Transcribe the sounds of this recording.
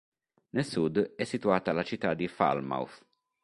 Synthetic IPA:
nelsud̪ɛsːit̪uaːt̪alat͡ʃit̪ːad̪ifa̰lma̰wf

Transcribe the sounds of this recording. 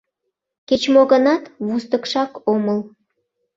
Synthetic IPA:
ket͡ɕmoɣənɑt̪βust̪əkʃɑkoməl

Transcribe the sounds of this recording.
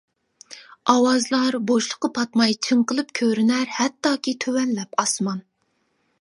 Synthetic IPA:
ɑwɑzlˠɑɾboʃlˠəqːəpʰɑt̪mɑjt͡ʃʰɨmqəlˠɨp̚kʲʰøɾɪnæɾhɛt̪ːɑːkʲʰit̪ʰøwɛnlɛpɑsmɑn

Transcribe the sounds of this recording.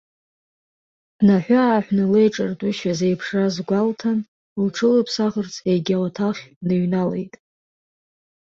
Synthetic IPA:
naħʷᶣaaːħʷᶣnɨlejʈ͡ʂʼartʼʊʃazejpʰʂazɡʷaltʰan | lʈ͡ʂʰɨlɨpʰsaʁərt͡sʰejɡʲaltʰaχʲnɨɥnalejtʼ

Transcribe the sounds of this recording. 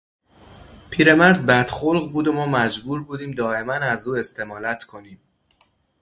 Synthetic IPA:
pʰiːɾe̞mæɾd̪̚bæd̪̥xo̞lɣbuːd̪o̞mɒːmæd͡ʒbuːɾbuːd̪iːmd̪ɒːe̞mænæzuːe̞st̪ʰe̞mɒːlæt̪ʰkʰo̞niːm

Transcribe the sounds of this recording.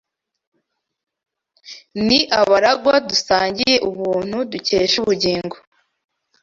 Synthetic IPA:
niʔaβaɾaɡwadusaːɲɟije̞ʔuβuːn̥huduce̞ːʃuβuɟiːŋɡo

